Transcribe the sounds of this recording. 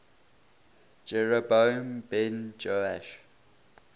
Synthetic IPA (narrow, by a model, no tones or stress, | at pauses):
d͡ʒɛɹəbombɛ̃nd͡ʒoaʃ